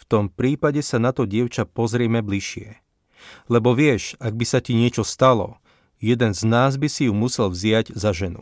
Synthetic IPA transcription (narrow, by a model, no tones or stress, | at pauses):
ft̪ɔmpɾiːpaɟɛsanat̪ɔɟɪɛʊt͡ʃapɔzɾɪɛmɛbliʃɪɛ | lɛbɔʋɪɛʃaɡ̚bisaciɲɪɛt͡ʃɔst̪alɔ̰ | jɛd̪ɛnznaːzbisijumusɛlvzɪaɟzaʒɛnṵ